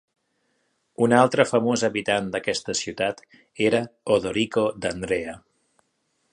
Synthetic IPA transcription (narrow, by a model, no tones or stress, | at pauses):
unalˠt̪ɾəfəmozəβit̪and̪əkɛst̪əsiwt̪at̪ | eɾəoðoɾikod̪ənd̪ɾeə